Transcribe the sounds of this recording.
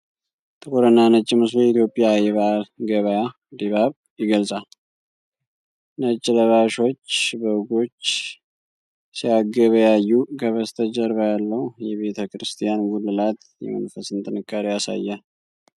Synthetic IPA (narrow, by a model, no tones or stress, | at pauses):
t̪ʼɨkʼoɾənːanət͡ʃʼːɪmɨs̬ljɛit̪jo̞pʼːijajɛβalɡəβəja | d̪iβaβ | jɪɡəlsʼal | nət͡ʃʼːɪləβaʃo̞t͡ʃːbəɡo̞t͡ʃː | sijaɡəβjajːuɡəβəst̪ʰəd͡ʒəɾbəjalːəwjɛβe̞t̪ʰəkɾɨst̪ʰijanɡulːɨlat̪ | jɛ̰mə̰nfəsɨnt̪ʼɨnɨkʼːaɾijasa̰jːa